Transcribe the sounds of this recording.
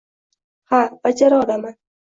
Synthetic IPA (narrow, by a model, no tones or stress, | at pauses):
hab̥ad͡ʒaɾɒd̪aman